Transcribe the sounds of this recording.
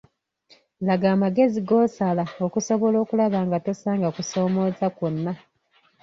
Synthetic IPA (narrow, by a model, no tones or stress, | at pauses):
laɡaːmaɡe̞ziɡo̞ːsalao̞kuso̞βolo̞ːkulaβaːŋɡatosaːŋɡakuso̞ːmo̞ːzakonːa